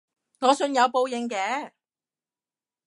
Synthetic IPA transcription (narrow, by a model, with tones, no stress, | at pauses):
ŋɔː˨˧sɵ˧njɐ˨˧wpo˧wjɪ˨˩ŋkɛː˨˧˥